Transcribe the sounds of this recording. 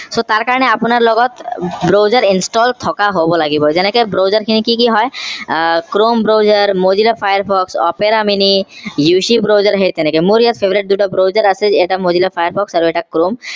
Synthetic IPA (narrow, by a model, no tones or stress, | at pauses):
sot̪aɾkaɹɔneapunaɾlɔɡɔt̪bɾowzaɾinsʈɔlt̪ʰɔkaɦobɔlaɡibɔd͡ʑɛnɛkebɾozaɾkʰinikikiɦɔj | kɾombɾowzaɾmod͡ʑilapʰajaɾpʰɔksɔ̰peɾaminijuʃibɾozaɾaɦet̪ɛnekemuɾijat̪pʰebɾeʈ̚d̪uʈabɾowd͡ʑaɾaseeʈamod͡ʑilapʰajaɾpʰɔksaɾoɛʈakɾom